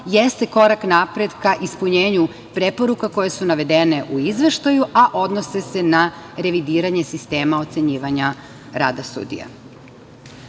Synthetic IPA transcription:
jest̪e̞ko̞ɾaknapɾe̞d̪kaʔispuɲeːɲu | pɾe̞po̞ɾukako̞je̞sunaʋe̞d̪e̞ne̞ʔuizʋe̞ʃt̪ajuʔaʔo̞d̪no̞se̞se̞naɾe̞ʋid̪iːɾaɲe̞sist̪e̞ːmao̞t̪se̞ɲiːʋaɲa | ɾaːd̪asṵːd̪ḭja̰

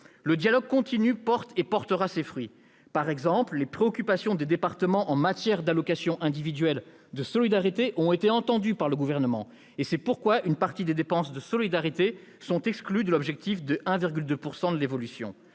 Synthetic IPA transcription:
ləd̪jalɔɡ̚kɔ̃t̪inypɔʁt̪epɔʁt̪əʁasefχɥi | paʁɛɡzɑ̃pllepχeɔkʲypasjɔ̃d̪ed̪epaʁt̪əmɑ̃ʔɑ̃mat̪jɛʁd̪alɔkasjɔ̃ʔɛ̃d̪ivid̪ɥɛl | d̪əsɔlid̪aʁit̪eʔɔ̃et̪eɑ̃t̪ɑ̃d̪ypaʁləɡuvɛʁnəmɑ̃ | esɛpuʁkwaynpaʁt̪id̪ed̪epɑ̃sd̪əsɔlid̪aʁit̪esɔ̃t̪ɛksklyd̪əlɔbʒɛk̚t̪ifd̪əʔɛ̃viʁɡʲyld̪øpuʁsɑ̃d̪əlevɔlysjɔ̰̃

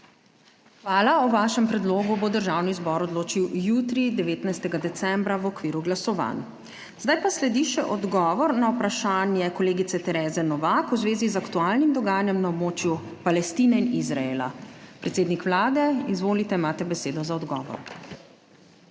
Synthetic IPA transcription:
xʋaːlaɔʋaːʃɛmpɾɛd̪loːɡubod̪əɾʒawnizbɔːɾɔd̪loːt͡ʃiwjuːt̪ɾid̪ɛʋeːt̪najst̪ɛɡad̪ɛt̪sɛmbɾaʋɔkʋiːɾuɡlasɔʋa̰n | zd̪ajpaslɛd̪iʃɛʔɔd̪ɡɔːʋɔɾnawpɾaʃaːnjɛkɔleːɡit̪sɛt̪ɛɾɛːzɛnɔʋakuzʋeːzizakt̪uaːlnimd̪ɔɡaːjanjɛmnaɔbmoːt͡ʃjupalɛst̪iːnɛinizɾaeːla̰pɾɛt̪seːd̪nikʋlaːd̪ɛizʋoːlit̪ɛimaːt̪ɛbɛseːd̪ɔzaɔd̪ɡɔ̰ːʋɔ̰ɾ

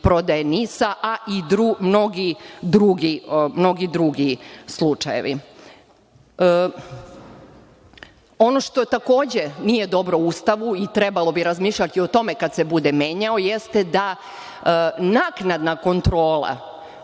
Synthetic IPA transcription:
pɾo̞d̪ajenisaʔaʔid̪ɾumno̞ɡid̪ɾuɡimno̞ɡid̪ɾuɡislˠut͡ʂajḛʋḭ | o̞no̞ʃt̪o̞t̪ako̞ːd͡ʑe̞nije̞d̪o̞bɾo̞ust̪aʋuit̪ɾebalˠo̞biɾazmiːʃlʎʲat̪io̞t̪o̞mekad̪se̞bud̪eme̞ɲao̞jest̪ed̪a | naknad̪nako̞nt̪ɾo̞ːlˠa̰

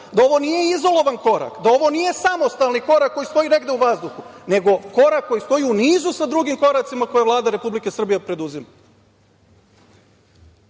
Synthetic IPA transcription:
d̪ao̞ʋo̞nijeizo̞lˠo̞ʋanko̞ɾa̰kd̪ao̞ʋo̞nije̞samo̞st̪alˠniko̞ɾakːo̞jist̪o̞jiːne̞ɡd̪e̞uʋazd̪uxune̞ɡo̞ko̞ɾakːo̞jist̪o̞jiuniːzusad̪ɾuɡimko̞ɾat̪simako̞jeʋlˠaːd̪aɾe̞publike̞sr̩bijepɾe̞d̪uzima

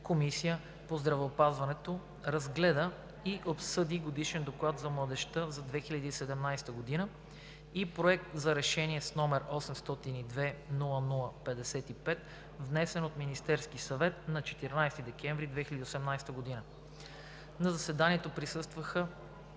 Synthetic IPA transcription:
komisijə | pozd̪ɾɐvɛopazvɐnɛt̪o | ɾɐzɡlɛd̪ə | iʔopsɤd̪iɡod̪iʃɛnd̪oklˠat̪zɐmlˠɐd̪ɛʃt̪əzɐd̪vɛxilʲɐd̪iːsɛd̪ɛmnajst̪əɡod̪inə | ipɾoɛk̚t̪zɐɾɛʃɛniɛsnɔmɛɾɔsɛmst̪ɔt̪inid̪vɛnulˠənulˠəpɛd̪ɛsɛt̪ipɛt̪ | vnɛsɛnot̪minist̪ɛɾskisɐvɛt̪̚nɐt͡ʃɛ̥t̪iɾnajst̪id̪ɛkɛ̃ɱvɾid̪vɛxilʲəd̪iosɛmnajst̪əɡod̪inə | nɐzɐsɛd̪aniɛt̪opɾisɤst̪vəxə

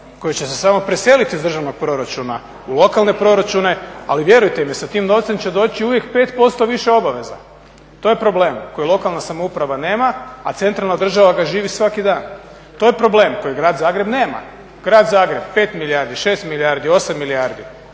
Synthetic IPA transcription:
ko̞jit͡ɕe̞sesamo̞pɾese̞lit̪iuzd̪r̩ʒaʋno̞ɡ̚pɾo̞ɾat͡ʃuna | ulˠo̞kalˠne̞pɾo̞ɾat͡ʃune̞a̰liʋje̞ɾujt̪emisat̪iːmno̞ʋt̪semt͡ɕe̞d̪o̞ːt͡ɕiuʋje̞kpe̞ːt̪po̞st̪o̞ʋiʃe̞o̞baʋe̞za̰ | t̪o̞ːje̞pɾo̞ble̞ːmkojilˠo̞kalˠnasamoupɾaʋane̞ːmaːt̪se̞nt̪ɾalnad̪r̩ʒaʋaɡaʒiːʋisʋakid̪aːn | t̪ojepɾo̞ble̞ːmko̞jiɡɾaːd̪zaːɡɾe̞bne̞ːma̰ | ɡ̥ɾaːd̪zaːɡɾe̞bpe̞ːt̪milijaɾd̪iʃe̞ːst̪miliaɾd̪io̞samːilijaɾd̪i

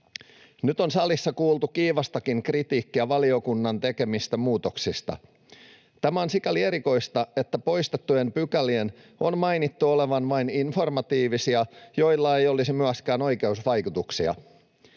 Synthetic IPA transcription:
nyt̪o̞nsɑlisːɑkuːlˠt̪ukiːʋɑst̪ɑkiŋkrit̪iːkːiæʋɑlio̞kunːɑnt̪e̞ke̞mist̪æmuːt̪o̞ksist̪ɑ̰ | t̪æmæo̞nsikɑlie̞ɾiko̞jst̪ɑe̞t̪ːæpo̞jst̪et̪ːujempykælien | o̞nmɑjnit̪ːuole̞ʋɑnʋɑininfo̞rmɑt̪iːʋisiɑjo̞jlːɑe̞jo̞lisimyæskæːno̞jke̞usʋɑjkut̪uksiɑ̰

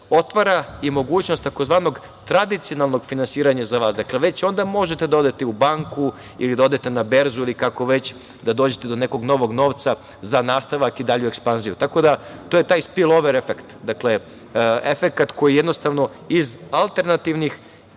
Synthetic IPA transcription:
o̞t̪ʋaɾaimo̞ɡuːt͡ɕnost̪t̪ako̞zʋaːno̞ɡ | t̪ɾad̪it̪sionalˠnoɡfinansiːɾaɲazaʋaːsd̪akle̞ʋe̞t͡ɕo̞nd̪amo̞ʒet̪ed̪ao̞d̪et̪e̞ubaŋku | ḭlid̪ao̞d̪e̞t̪e̞nabe̞ɾzuilikako̞ʋe̞t͡ɕ | d̪ad̪oːd͡ʑet̪e̞d̪one̞ko̞ɡno̞ʋo̞ɡno̞ːʋt̪sa | zanaːst̪aʋakid̪aʎuekspanzijut̪ako̞d̪at̪oːje̞t̪aːjspilˠo̞ʋeɾefekt̪d̪akle̞ | efe̞kat̪ko̞jijed̪no̞st̪aʋno̞ | izalˠt̪e̞ɾnat̪iʋnix

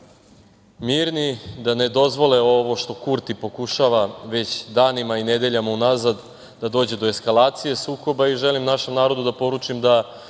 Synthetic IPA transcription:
miːɾnid̪aned̪o̞zʋo̞leo̞ʋo̞ʃt̪o̞kuɾt̪ipo̞kuʃaʋaʋe̞t͡ɕd̪aːnimained̪e̞ʎamaunazad̪ | d̪ad̪o̞ːd͡ʑe̞d̪oeskalˠaːt̪sije̞suːko̞baiʒelimnaʃe̞mnaːɾo̞d̪ud̪apo̞ɾut͡ʃimd̪a

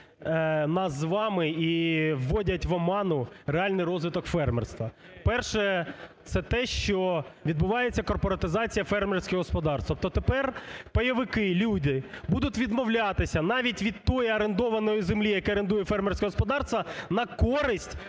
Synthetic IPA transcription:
nɑszʋɑmɪiʋːɔdʲɐtʲʋɐmɑnʊɾeɑlʲnɪjɾɔzʋɪt̪ɔkfɛrmɛ̰rst̪ʋɐ | pɛrʃɛt̪sɛt̪ɛʃt͡ʃɔʋʲid̪bʊʋɑjet͡sʲːɐkɔrpɔɾɐt̪ɪzɑt͡sʲijɐfɛrmersʲkɪɦɔspɔd̪ɑrst̪ʋɐpt̪ɔt̪epɛrpɐjɐʋɪkɪlʲud̪ɪbud̪ʊtʲʋʲid̪mɔwlʲɑt̪ɪsʲɐnɑʋʲitʲʋʲid̪̚t̪ɔjiɐɾend̪ɔʋɐnɔjizemlʲijɐkɛɐɾend̪ujɛfɛrmɛrsʲkɛɦɔspɔd̪ɑrst̪ʋɐnɐkɔɾɪsʲtʲ

